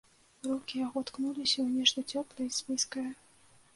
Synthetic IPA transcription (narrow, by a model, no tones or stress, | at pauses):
rukʲijaɣɔt̪knulʲisʲɐwnʲɛʂt̪ɐt͡sʲɔplˠɐispʲiskɐjɐ